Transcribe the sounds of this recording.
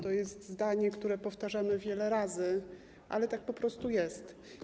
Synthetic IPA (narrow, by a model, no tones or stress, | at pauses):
t̪ɔjɛst̪zd̪aɲɛkt̪uɾɛpɔft̪aʐamɘvʲjɛlɛɾazɘ | ʔa̰lɛt̪ak̚pɔpɾɔst̪ujɛst̪